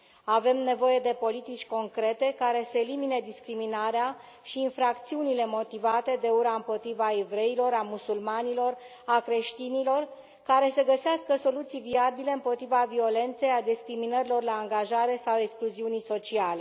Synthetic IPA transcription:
ave̞mne̞vo̞je̞d̪e̞po̞lit̪it͡ʃʲko̞ŋkɾe̞t̪e̞kaɾe̞seːlimined̪iskɾiminaɾea | ʃiːnfɾakt̪siunile̞mo̞t̪ivat̪e̞d̪e̞uɾaɨmpo̞t̪ɾivae̞vɾe̞ilo̞ɾamusulmanilo̞r | akɾe̞ʃt̪inilo̞r | kaɾe̞seɡəseaskəso̞lut̪sijviabile̞ɨmpo̞t̪ɾivavio̞le̞nt̪se̞jad̪iskɾiminəɾilo̞rlaːŋɡaʒaɾe̞sawe̞kskluziunijso̞t͡ʃiale̞

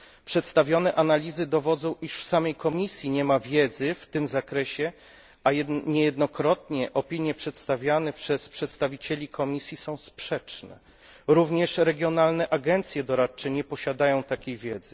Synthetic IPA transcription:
pʂɛt̪st̪avʲjɔnɛʔanalʲizɘd̪ɔvɔd̪zɔ̃w̃iʂfsamɛjkɔmʲisʲjiɲɛmavʲjɛd̪zɘft̪ɘmzakɾɛɕɛ | ajɲɛjɛd̪nɔkɾɔt̪̚ɲɛʔɔpʲiɲjɛpʂɛt̪st̪avʲjanɛpʂɛspʂɛt̪st̪avʲit͡ɕɛlʲikʰɔmʲisʲjisɔ̃w̃spʂɛt͡ʂnɛ̰ | ɾuvɲɛʂɾɛɡʲjɔnalnɛʔaɡɛnt̪sʲjɛd̪ɔɾatt͡ʂːɛɲɛpɔɕad̪ajɔ̃w̃t̪akʲejvʲjɛd̪zɘ

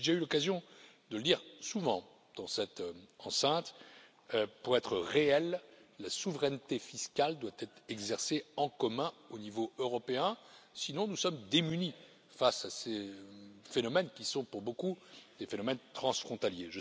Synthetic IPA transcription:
ʒaylɔkazjɔ̃ | d̪ələliʁsuvɑ̃ | d̪̥ɑ̃sɛt̪ɑ̃sɛ̃t̪ | øpuʁɛt̪χəʁeɛlːasuvʁɛnt̪efiskald̪wat̪ɛt̪χɛɡzɛʁseɑ̃kɔmɛ̃onivoøʁɔpeɛ̃sinɔ̃nusɔmd̪emyni | fasase | fenɔmɛnkʲisɔ̃puʁbokud̪̥efenɔmɛnt̪χɑ̃sfχɔ̃t̪aljeʒə

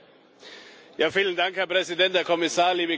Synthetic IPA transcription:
jaːfiːləndaŋkhɛɐpʁ̥ɛzidɛnthɛːɐkʰɔmɪsaːɐliːbə

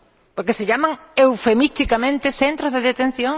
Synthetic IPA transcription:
poɾkeseʎamaŋewfemist̪ikamẽnt̪eθent̪ɾozðeðet̪ẽn̟θjõŋ

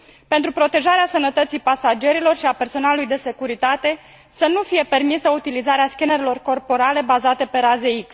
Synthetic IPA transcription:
pe̞nt̪ɾupɾo̞t̪e̞ʒaɾeasənət̪ət̪sijpasad͡ʒe̞ɾilo̞rʃiape̞rso̞nalulujd̪e̞se̞kuɾit̪at̪e̞ | sənufije̞pe̞rmisəut̪ilizaɾeaskʲeneɾelo̞rko̞rpo̞ɾale̞bazat̪e̞pe̞ɾaze̞iks

